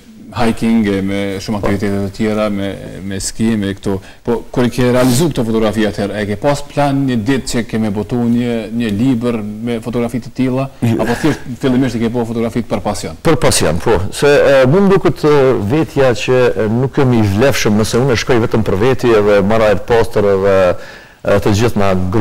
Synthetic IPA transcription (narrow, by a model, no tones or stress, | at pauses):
hajkiŋɡɛmɛʃumak̚t̪ivit̪ɛt̪ɛt̪ət̪jɛɾamɛmɛskimɛkt̪u | pɔkuɾikɛɾɛalizuk̚t̪ɔfɔt̪ɔɡɾafiat̪ʰhɛɾɛkɛpasplanɲəd̪it̪̚t͡ɕəkɛmɛbɔt̪uɲəɲəlibəɾmɛfɔt̪ɔɡɾafit̪ə̥t̪ilˠaapɔθɛʃt̪filˠimiʃt̪ɛkɛpɔfɔt̪ɔɡɾafit̪̚pəɾpasjɔnpəɾpasjɔ̰npʰɔsɛmund̪ukət̪əvɛt̪ʰjat͡ɕənukːɛmivlɛfʃəmnəsɛunɛʃkɔjvɛt̪əmpəɾvɛt̪iɛðɛmaɾajɛɾpast̪əɾɛðɛ | t̪əd͡ʑiθnaɡɾ